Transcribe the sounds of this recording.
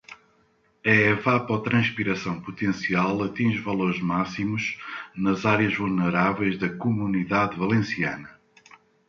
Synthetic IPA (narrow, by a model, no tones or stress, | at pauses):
ɛɛvapɔt̪ɾɐ̃ʃpiɾɐsɐ̃w̃put̪ẽsialˠɐt̪ĩʒvɐlˠoɾʒmasimuʒnɐzaɾjɐʒvulˠnɨɾavɛjʒðɐkumuniðaðvɐlˠẽsiɐnɐ